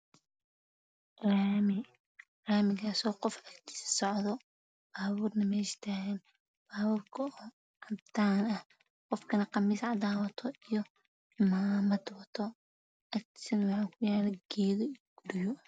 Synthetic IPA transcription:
ramɪ | raːmɪɣaːsɔːqɔfɐkt̪ʰɪ̥ssɔʕðɔ | b̥aːβuːrnɐmɛʃt̪ʰaːɣɛn | b̥aːβuːrkʰɐɔː | ʕɑd̪aːnɐh | qɔfkʰɐnɐqɑmiːsʕɑd̪aːwɐt̪ʰɔijɔ | ɪmaːmɐd̪wɐt̪ʰɔ | ʔɐkt̪ʰɪ̥sɐnwɑħaːkʰʊjaːlɐɡ̥ɛːðɔiɡ̥ʊɾɪjɔ

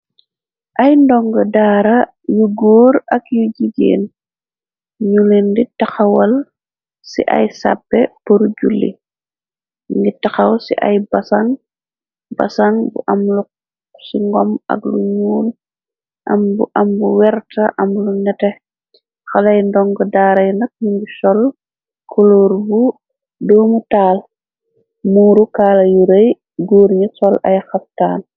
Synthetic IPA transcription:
ʔajndɔŋɡɐdaːɾa | juɡoːɾɐkjuɟiɟḛːn | ɲulinditɐxɐwɐl | sḭʔa̰jsa̰pːɛpuɾuɟulːḭ | ŋɡitaxɐwsḭʔa̰jbasaŋ | ba̰saŋbṵʔɐmlu | siŋɡɔmɐ̰kluɲuːl | ʔɐmbuʔɐmbuwɛɾtɐʔɐmluɲɐtɛ | xalɐjndɔŋɡɔdaːɾɐjnɐk̚nuŋɡisɔl | kʰɔloːɾbu | dɔːmutaːl | muːɾukaːlɐjuɾɐj | ɡuːɾɲisɔla̰jxap̚taːn

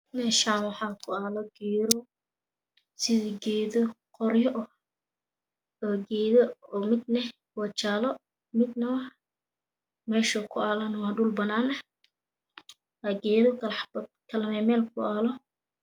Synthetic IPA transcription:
mɛːʃaːnwɑħɑːkʰʊaːlɔɡ̥ɛːɾɔ | sɪðɐɡɛːðɔ | qɔrjɔʔ | ɡɛːðɔɔːmɪd̪nɛ | wɑt͡ʃaːlɔ | mɪd̪̚nɐwɐ | mɛːʃɐkʰʊaːlɐnɐwɑɖʊlbɐnaːnɐ | ɐɡɛːðɔkʰɐlbd̪kʰɐlmɛmɛːlkʰʊaːlɔ

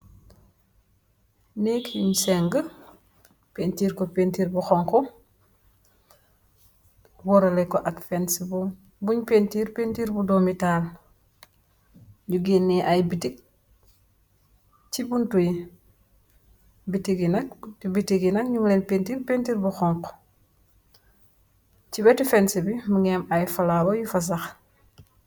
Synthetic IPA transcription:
neːkuɲsɛŋɡə | pentiːɾkɔpentiːɾbuxɔŋkɔ | wɔɾɐlɛkɔʔakfɛnsibu | buɲpentiːɾpentiːɾbudɔmitaːl | ɲuɡinːiʔajbitik̚ | t͡ʃibuntuji | bitiɡinɐk̚ibitiɡinɐk̚ɲumlɛnpentiɾpentiːɾbuxɔŋq | t͡ʃibɛtifɛnsibimuŋɛmajfɐlabɐjufɐs̬ɐx

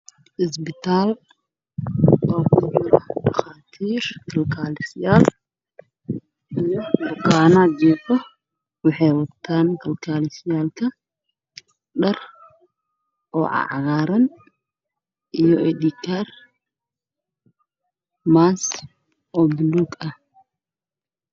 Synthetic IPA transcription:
ʔɪs̬bɪt̪aːl | ɔːbʊbʊlɐɐxaːt̪ʰiːɾkʰɐlkʰaːlɪsɪjaːl | ʔijɔbʊkaːnaːd͡ʒɛtɔ | wɪħɛjwɐt̪ʰːaːnkʰɐlkʰaːlɪsɪjaːlkʰɐ | ɗɐr | ʔɔːʕɑ̰ʕɑ̰ɣaːɾɐn | ʔijɔʔɛd̪ikʰaːr | maːs | ʔɔbluːɡɐh

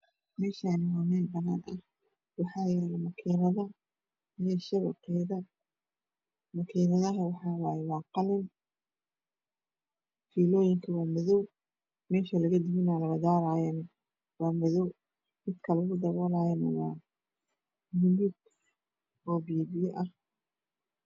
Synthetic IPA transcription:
mɛːʃanɪwamɛːlbɐnaːnʔɐh | wɑħɑːjɛːlɐmɐkʰiːnɐðɐ | jɛʃɐβɐkʰɛjðɐ | mɐkʰiːnɐðɐɦɐwɑħɑːwɑːjɛwɑːqɑlɪn | fiːlɔːjɪŋkʰɐwaːmɔðɔw | mɛːʃɐlɐɣɐd̪ɪβɪnaːlɐɣɐd̪aːɾajɐnɐ | wɑːmɔðɔw | mɪd̪kʰɐlʊɣʊd̪ɐβɔːlaːjɐnɐ̰wɑː | mɪmɪɡ | ɔːbiːbɪjɔʔɐh

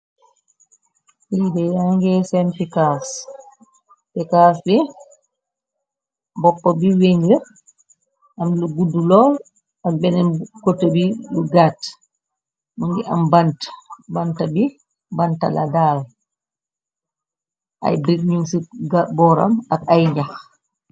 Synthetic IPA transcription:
widɛjaŋɡɛsɛnfikas | fɛkas̬bɛ | bɔpːɔbiweŋɡiɾ | ʔamluɡudːulɔːl | ak̚bɛnɛnkotːobiluɡat | muŋɡɛʔa̰mbantḁbantabi | banta̰la̰dal | ʔa̰jbɾik̚ɲuŋsiɡbɔɾa̰makajɲd͡ʒax

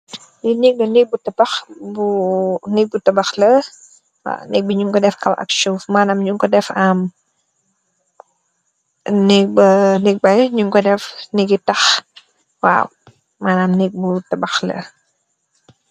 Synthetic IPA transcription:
jinik̚lɐnik̚butɐbɐxbunik̚butɐbɐxlə | wa̰nɛk̚biɲuŋkɔdɛfkɐwʔɐ̰kʃofmaːnaːmɲuŋkɔdɛfaːm | nɛk̚bənik̚bɐjɲuŋkɔdɛfniɡitɐx | wa̰ːw | maːnamnik̚butɐbɐxlə̰

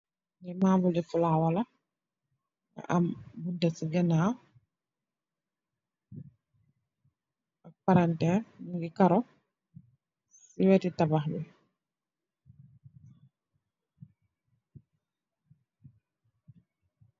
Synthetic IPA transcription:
ŋɛmaːbulifulawala | ɡa̰ʔambundasiɡɛna | ak̚paɾantɛniŋɡikaɾɔ | siwɛtitabaxbɛ̰

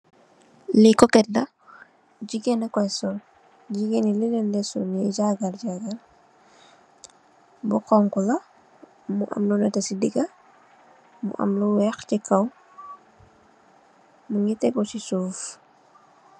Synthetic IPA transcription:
likɔkɛt̚dɐ | ɟiɡɛnɛkɔsɔ | ɟiɡenililɛndɛsuniɟaɡalɟaɡal | buqɔŋkulɐ | muʔɐ̰mlunɛtɐsidiɡɐ | mṵʔɐ̰mluwɛxcikʰɐw | muŋitɛɡɔsisuːf

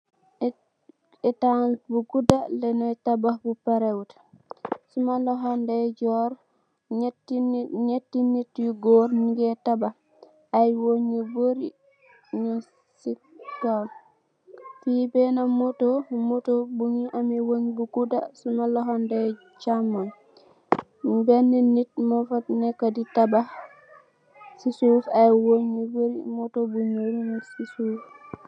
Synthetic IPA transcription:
ɛtanbuɡudalenɔtabahbupaɾewt | sumaloɦandeɟɔːɾ | ɲetːinːitiɡoɾniɡetabah | ajwoɲiboɾi | ɲa | si | tːal | fibɛnamotomotobuŋiʔamiwoŋbuɡuda̰sunalɔɦande | t͡ʃamːan | mbɛnːinit̚mofatnɛkːaditaba | sisuːfajwoɲeboɾimotobuɲoɾɲosisuːf

